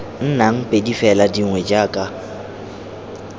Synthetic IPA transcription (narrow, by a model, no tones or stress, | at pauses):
n̩naŋ̩pʼedifɛladiŋwɛd͡ʒaːkʼa